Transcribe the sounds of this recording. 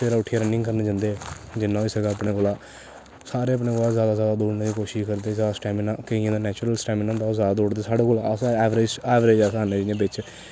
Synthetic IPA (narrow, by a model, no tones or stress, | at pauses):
t̪eːɾaːʊʈʰːijaːɾənɪ̃ŋɡkəɾneːd͡ʒãːnd̪eːd͡ʒɪnːãːiːsəɡaːəpɽeːkoːlaː | saːɾeːəp̬ɳeːkoːlaːzjaːd̪aːzjaːd̪aːd̪uːɾneːiːkoːʃɪʃkəɾd̪eːzjaːd̪aːsʈɛːmɪnaːkəiãːd̪aːnɛːt͡ʃʊɾəlsʈɛːmɪnːãd̪aːzjaːd̪aːd̪uːɽd̪eːsaːɖeːkoːlaəsɛːʋɾeːd͡ʒɛːʋɾeːd͡ʒasɦanːẽːd͡ʒɪnẽbɪt͡ʃ